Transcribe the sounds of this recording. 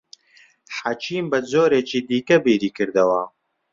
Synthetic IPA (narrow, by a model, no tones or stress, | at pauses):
ħat͡ʃʰiːmbɐzoːɾeːt͡ʃiːd̪iːkɐbiːɾiːkɨɾd̪ɐwɐ